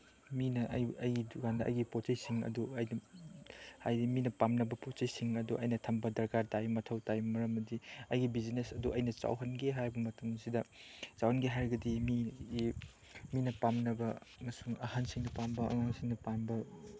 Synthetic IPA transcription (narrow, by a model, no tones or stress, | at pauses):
minɐʔjɐjɡiduɡandɐʔɐ̰jɡipott͡ʃɐjsiŋɐ̰duɐjnɐ | ajdiminɐpamnɐbɐpott͡ʃɐjsiŋɐduʔɐ̰jnɐtʰɐmbɐdɐɾkaɾtajmɐtʰɐwtajmɐɾɐmɐdiɐjɡibid͡ʒinesɐduʔɐjnɐt͡ʃa̰wɦɐnɡeɦajbɐmɐtɐmsidɐt͡ʃawhɐnɡeɦajɾɡɐdimi | minɐpamnɐbɐmɐsuŋɐhansiŋnɐpambɐɐ̰ŋansiŋnɐpanbɐ